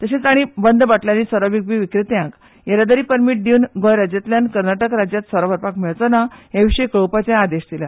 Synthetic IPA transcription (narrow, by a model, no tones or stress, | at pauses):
t̪əɕet͡saɽ̃ibənd̪baʈljaniːsəɾaʋiɡ̚ʋiʋikɾit̪jãk | jaɾad̪əɾiːpəɾmiʈ̚ɖ̪iunɡɔjɾad͡ʑjat̪ljankəɾnaʈəkɾad͡ʑjat̪səɾaʋəɾpakmiɭt͡sɔnajãʋiɕəjkɭowpat͡ɕjãad̪eɕd̪ila